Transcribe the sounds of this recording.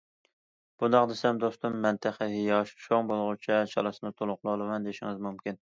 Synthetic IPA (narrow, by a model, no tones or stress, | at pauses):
b̥und̪ɑqd̪esɛmd̪ost̪umːɛnt̪ʰɪχəɦijɑʃʃoŋbolˠʁʊt͡ʃʰɛt͡ʃʰɑ̰lˠɨsɨnɨt̪ʰolˠʊqlˠolˠɨmɑnd̪eʃiŋɪzmumkʲin